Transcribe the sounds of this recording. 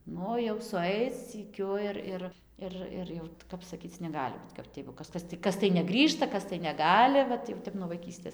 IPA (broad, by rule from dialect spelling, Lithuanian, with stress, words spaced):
ˈnʊ jɛʊ sʊˈɐɪt͡s sʲiːˈkʲʊ ɪr ˈɪr ɪr ˈɪr jɛʊ ˈkɐp sɐˈkʲiːt͡s nʲɛˈɡɑːlʲɪ bʊt kɐp ˈtʲɪ jɛɪɡʊ ˈkɐs ˈkɐs tʲɪ ˈkɐs tɐɪ nʲɛˈɡrʲiːʃtɐ ˈkɐs tɐɪ nʲɛˈɡɑːlʲɪ ˈʋɐt jɛʊ ˈtʲɛp nuɔ ʋɐɪˈkʲiːsʲtʲeːs